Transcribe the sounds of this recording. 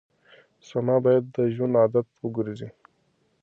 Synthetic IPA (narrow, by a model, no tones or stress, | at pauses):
samɑbɑjad̪ːəʒunɑːd̪at̪wəɡuɾizi